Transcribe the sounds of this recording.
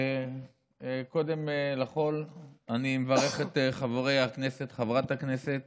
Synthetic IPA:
ko̞d̪e̞melaχo̞lanimevaʁe̞χet̪eχavoʁejakne̞set̪χavʁat̪hakneset̪̚

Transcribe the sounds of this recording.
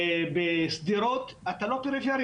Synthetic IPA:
besd̪iɾot̪ | at̪alopeɾifjeɾ

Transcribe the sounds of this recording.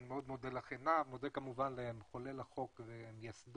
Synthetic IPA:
nimeod̪mo̞d̪elaχenavmod̪ekamuvanlemχolelaχo̞kvemjasd̪

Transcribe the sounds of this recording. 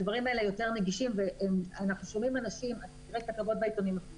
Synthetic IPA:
dvaʁimaelejo̞te̞ʁneɡiʃimveʔemanaχnuʃo̞mimanaʃimatiʁekt̪akavo̞t̪̚bait̪onima

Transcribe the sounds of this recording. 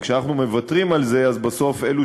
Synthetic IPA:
kʃeanaχnume̞vatʁimalze̞azbaso̞fe̞lu

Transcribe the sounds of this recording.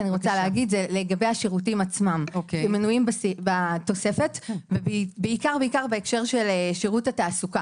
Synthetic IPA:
aniʁo̞t͡saleaɡidzeleɡabe̞jaʃeʁut̬imat͡smamokemːenuimbasibato̞se̞fe̞tvebbeikaʁbeikaʁbeekʃe̞ʁʃe̞leʃeʁutataːsuka

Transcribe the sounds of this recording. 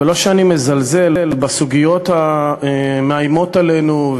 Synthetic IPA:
elo̞ʃeanime̞zalze̞lelbasuɡijo̞t̪aemeajmo̞t̪ale̞nuv

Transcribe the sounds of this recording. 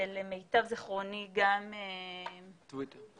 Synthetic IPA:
elemejtavziχʁoniɡame | vit̪

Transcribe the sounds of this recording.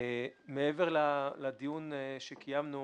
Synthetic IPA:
meeveʁlalad̪ijunʃekijamnu

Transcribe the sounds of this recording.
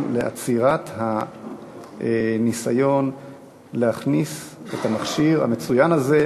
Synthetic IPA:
leʔa̰t͡siʁatha | nisajo̞n | lehaχniset̪hamaχʃiʁa̰met͡sujanaze

